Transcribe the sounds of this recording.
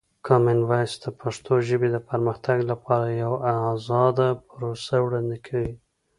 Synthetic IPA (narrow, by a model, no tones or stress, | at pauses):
kʰɑmɪnvɑjsd̪əpʰaʂt̪oʒəbed̪əpəɾməxt̪aɡlapɑɾajawazɑd̪apʊɾosawɽɑnd̪ekʰawi